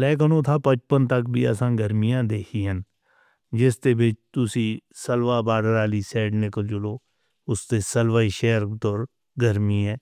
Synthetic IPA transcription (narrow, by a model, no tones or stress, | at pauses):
lɛːkənõːt̪ʰaːpət͡ʃpənt̪əkbʱḭːə̰sãːɡəɾmɪjãːd̪eːkʰiːɦən | d͡ʒɪst̪eːbɪt͡ʃt̪ʊsĩːsəlʋaːbaːɽəɾaːliːsɛːɖnɪkəld͡ʒʊloː | ʊst̪eːsəlʋaːiːʃɛːəɾt̪oɾ | ɡəɾmiːɛː